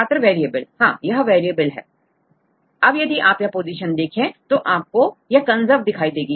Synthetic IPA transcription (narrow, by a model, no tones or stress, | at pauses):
aːt̪əɾʋeːɾiebəlhãːjɐɦʋeːɾijebəlɦɛ̰ː | ɐbjɐd̪iʔaːpjɐpoːziːʃənd̪eːkʰẽt̪oʔaːp̚kojɐkɐ̃nzəɾd̪ɪkʰaːid̪eːɡiː